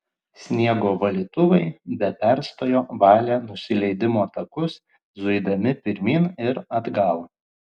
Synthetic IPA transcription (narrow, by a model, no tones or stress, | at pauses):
sʲnʲiɛɡoːʋɐlʲiːt̪ʊʋɐɪbʲɛpʲɛɾst̪oːjoːʋɑːlʲeːnʊsʲɪlʲɛɪd̪ʲɪmoːt̪ɐkʊs | zʊɪd̪ɐmʲɪpʲɪɾʲmʲiːnɪɾɐd̪ɡɑːlˠ